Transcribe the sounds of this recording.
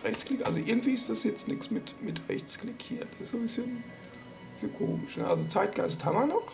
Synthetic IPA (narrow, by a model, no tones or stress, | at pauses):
ʁɛçt͡sklɪkʔa̰lzoʔɪɐɡŋ̩tv̥iːɪstd̥asjɛt͡stnɪksmɪtmɪtʁɛ̰çt͡sklɪkhiːɐd̥ḁsɪsz̥obɪsçən | z̥ikʰoːmɪʃnəʔalzot͡saɪt̚ɡ̥a̰ɪsthamɐnɔχ